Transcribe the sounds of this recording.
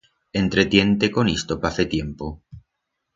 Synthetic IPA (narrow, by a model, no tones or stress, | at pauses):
e̞nt̪ɾet̪je̞nt̪ekonist̪opaθet̪je̞mpo